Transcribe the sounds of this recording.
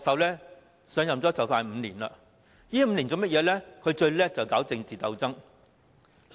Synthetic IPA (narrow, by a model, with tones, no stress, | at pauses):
ɔ˧sɐ˨˥wlɛː˥ | sœː˨˧ŋjɐ˨mt͡sɔː˨˥t͡sɐ˨wfaː˧nm̩ː˨˧liː˨˩na̰˧ | jiː˥m̩ː˧liː˨˩nt͡so˨˧wmɐ˥t̚jɛː˨˧lɛː˥kʰɵ˨˧ɥt͡ʃɵ˧ɥlɛː˥t͡sɐ˨˩wkaː˨˥wt͡sɪ˧ŋt͡siː˨t̪ɐ˧wt͡sɐ˥ŋ